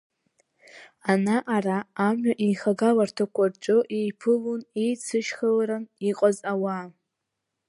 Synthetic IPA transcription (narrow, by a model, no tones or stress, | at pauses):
anaʔaraːmɥaʔejχaɡalartʰakʷʰart͡ʃʷʼoʔejpʰɨlunejt͡sʰɨʃχalaɾaniqʼazawa